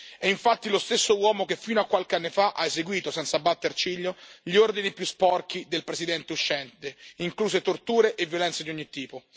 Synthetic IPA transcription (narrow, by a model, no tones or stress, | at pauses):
ɛiɱfat̪ːilost̪esːowɔːmokefːiːnoakːwalkeanːefaʔaezeɡwiːt̪osɛnt̪sabːat̪ːert͡ʃiʎːoʎiord̪inipjuspɔrk̟id̪elpɾesid̪ɛnt̪euʃːɛnt̪eiŋkluːzet̪ort̪uːɾeʔevjolɛnt̪sed̪iɔɲːit̪ːiːpo